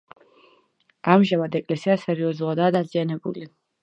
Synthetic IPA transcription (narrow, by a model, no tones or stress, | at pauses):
amʒamad̪ɛkʼlɛsiasɛɾiɔzulˠad̪aːd̪azianɛbṵli